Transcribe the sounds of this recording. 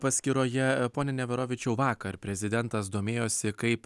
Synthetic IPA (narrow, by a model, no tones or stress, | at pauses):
pɐsʲkʲɪɾoːjɛpoːnʲɛnʲɛʋʲɛɾoːʋʲɪt͡ʃʲɛʊʋɑːkɐɾpʲɾʲɛzʲɪd̪ʲɛnt̪ɐs̬d̪oːmʲeːjoːsʲɪkɐɪp